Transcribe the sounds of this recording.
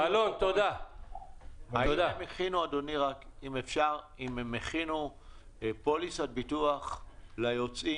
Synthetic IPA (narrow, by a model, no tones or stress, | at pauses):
alont̪od̪a | hajameχinuad̪oniʁakimefʃaʁ | imemeχinu | polisat̪̚bituaχlajot͡si